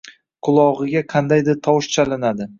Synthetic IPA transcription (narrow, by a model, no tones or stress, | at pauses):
qʰʊlˠɒʁɨɡʲaqʰɑnd̪ajd̪ɪɾt̪ʰɒwʃt͡ʃʰalɪnad̪ɪ